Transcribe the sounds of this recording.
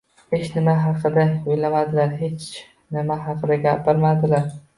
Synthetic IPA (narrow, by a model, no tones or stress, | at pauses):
het͡ʃnɪmaɦɑqʰɨd̪aojlamad̪ɪlaɾɦe̞t͡ʃ | nɪmaɦɑqʰɨd̪aɡʲapɪɾmad̪ɪlaɾ